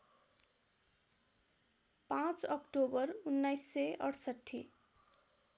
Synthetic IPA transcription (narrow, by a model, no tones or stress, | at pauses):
pãt͡sʌkʈobʌɾunːajsːeʔʌɽsʌʈʰːḭ